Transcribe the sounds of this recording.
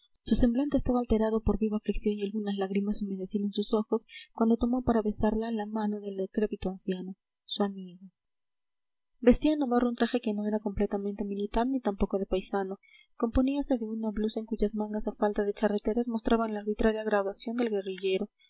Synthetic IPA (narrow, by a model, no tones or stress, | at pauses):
suse̞mblant̪eːst̪aβaːlt̪e̞ɾað̞o̞po̞ɾβiβaːfliksjo̞nialɣunazlaɣɾimasumeðesilonsuso̞xo̞skwand̪o̞t̪o̞mopaɾaβe̞saɾlalamano̞ðe̞lkɾe̞pit̪oansjano̞ | suamiɣo | be̞st̪ianaβarount̪ɾaxe̞keno̞e̞ɾako̞mple̞t̪ament̪e̞milit̪aɾnit̪ampo̞ko̞ðe̞pajsano̞ | ko̞mpo̞niase̞ðeunaβluse̞ŋkuʝazmãŋɡasafalt̪aðe̞t͡ʃare̞t̪e̞ɾazmo̞st̪ɾaβanlaːɾβit̪ɾaɾjaɣɾaðwasjo̞nd̪e̞lɣe̞riʝe̞ɾo̞